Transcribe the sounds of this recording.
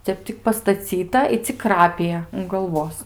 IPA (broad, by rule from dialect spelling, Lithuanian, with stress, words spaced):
ˈtʲɛp tʲɪk pɐstɐˈt͡sʲiːtɐ ɪ t͡sʲɪk ˈkrɑːpʲɪjɛ ʊn ɡɐlˠˈʋoːs